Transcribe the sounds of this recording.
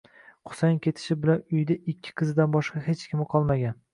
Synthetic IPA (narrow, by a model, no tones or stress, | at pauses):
qʰʊ̥sajnkʲʰe̞t̪ʰɪ̥ʃɪbɪlanʊjd̪aʔɪkʲʰːɪ̥qʰɨzɪd̪anbɒʃqɑhet͡ʃkʲɪmɨqʰɒlˠmaɡʲan